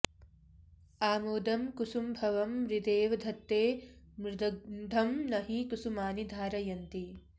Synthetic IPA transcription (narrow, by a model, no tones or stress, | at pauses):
aːmoːd̪ɐmkusumbʱɐʋɐmːɾɪd̪eːʋɐd̪ʱɐt̪ːeː | mɾɪd̪ɐd̪ʱɐmnɐɦikusumaːnid̪ʱaːɾɐjɐnt̪i